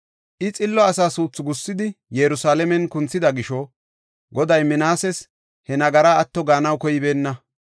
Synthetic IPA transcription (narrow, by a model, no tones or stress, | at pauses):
ʔɪt͡sʼɪlːɔɐsaːsuːt͡sːʊɡʊsːɪd̪ɪjɛɾʊsaːlɛmɛnkʊnt͡sːɪd̪ɐɡɪʃɔ | ɡɔd̪ɐjmɪnaːsɛs | hɛnɐɡɐɾaːt̪ːɔɡaːnɐwkɔjɪbe̞ːnːɐ